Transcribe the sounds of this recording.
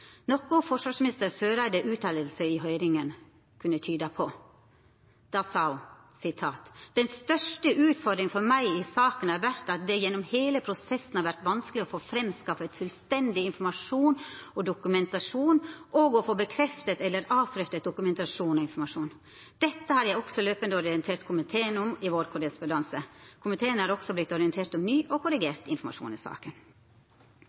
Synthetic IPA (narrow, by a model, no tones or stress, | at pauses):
nɔkʊfɔʂʋɑːʂmɪnɪst̪əɾsøːɾæɪd̪əʔʉːt̪ɑːləlsəɪɦœʏɾɪŋən | kʰʉnːət̪ʰyːd̪əpʰɔ | d̪̥ɑːsɑ | sɪt̪ʰɑːt̪d̪̥ɛnst̪œʂʈəʔʉːt̪fɔɾd̪ɾɪŋfɔɾmæɪɪsɑːkənɑɾʋæɾt̪ɑt̪̚d̪ɛjɛnːɔmheːləpʰɾʊsɛsːn̩hɑɾʋæɾt̪ʋɑnskəlɪɔfoːfɾɛmskɑfət̪fʉlst̪ɛnd̪ɪɪnfɔɾmɑʂuːnɔd̪ʊkʉmɛnt̪ɑʂuːnʔɔɡɔfoːbəkʰɾɛft̪ət̪ɛlːəɾɑːpʰɾœft̪ət̪̚d̪ʊkʉmɛnt̪ɑʂuːnɔɪnfɔɾmɑʂuːn | d̪̥ɛt̪ːəhɑɾjæɪɔksɔløːpənd̪əɔɾɪɛnt̪ʰeːɾt̪kʰʊmɪt̪ʰeːnʊmɪʋoːɾkʰʊɾəspʊnd̪ɑnsəkʰʊmɪt̪ʰeːənhɑːɾɔksɔblɪt̪ːɔɾɪənt̪ʰeːɾt̪ɔmnyːʔɔkʰʊɾɪɡeːɾt̪ɪ̰nfɔɾmɑ̰ʂṵːnɪ̰sɑ̰ːkən